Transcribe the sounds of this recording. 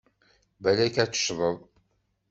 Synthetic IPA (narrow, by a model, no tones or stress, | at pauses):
bælækæt͡sːə̥ʃðˤəðˤ